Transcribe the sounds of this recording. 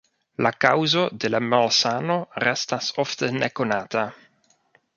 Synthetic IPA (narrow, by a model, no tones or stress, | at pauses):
lakawzod̪ɪlɛmalsaːnorɛst̪asɔft̪ɛnɛkonaːt̪a